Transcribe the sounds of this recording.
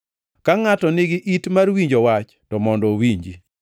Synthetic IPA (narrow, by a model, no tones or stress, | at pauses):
kaŋatɔnɪɡɪʔitmarwiɲd͡ʒɔwat͡ʃ | tɔmɔndɔwiɲd͡ʒḭ